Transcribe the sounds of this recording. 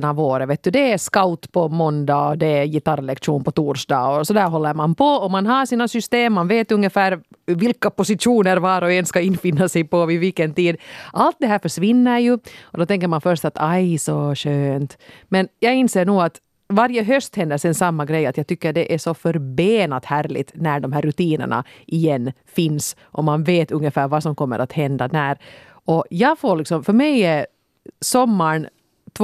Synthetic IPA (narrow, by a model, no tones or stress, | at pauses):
navoːɾəveːt̪̚d̪ʉd̪ɛːskawt̪pʰɔmɔnd̪aɔd̪ɛjɪt̪aɾlɛkʂuːnpɔt̪uːɾʂd̪ɑ̰ːɔsɔd̪æːɾɦɔlːəɾmanpʰɔːmanɦɑʂiːnasʏst̪eːmːanveːt̪ɵŋːəfæːɾvɪlkapɔsɪuːnəɾvɑːɾɔɛnskaɪnfɪnːasɛjpɔɪvɪkːənt̪iːd̪ʔalt̪̚d̪ɛɦæːɾfœʂʋɪnːəɾjʉɔd̪ɔt̪ʰɛŋk̬ːəɾmanfœɾʂt̪at̪ajsɔɕøːnt̪mɛnjɑːɡɪnseːɳuːat̪ | vaɾjəɦœst̪hɛnd̪əʂɛnsamːaɡɾɛjːat̪jɑːt̪ʏkːəɖɛʔæʂɔfœɾbeːnat̪hæːɾlɪ̰t̪næɖɔmɦæːɾːʉt̪iːnə̰ɳa̰ʔɪjɛnːfɪns | ʔɔmanveːt̪ɵŋjəfæːɾvasɔmkɔmːə̰ɾʔat̪hɛnd̪anæɾ | ʔɔjɑːɡfoːɭɪksɔmfœɾmɛjɛ | sɔmːaɳ | t̪ʰ